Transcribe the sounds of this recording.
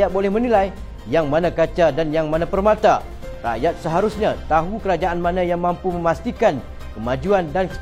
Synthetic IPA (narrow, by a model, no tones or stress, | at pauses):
at̪̚bolɛhmənilaj | jaŋmãnãkat͡ʃadanjaŋmãnãpərmãt̪a | ra̰jat̪̚səɦaɾusɲãt̪aɦukəɾad͡ʒaʔanmãnãjaŋmãmpumə̃mast̪ikan | kəmad͡ʒuandankə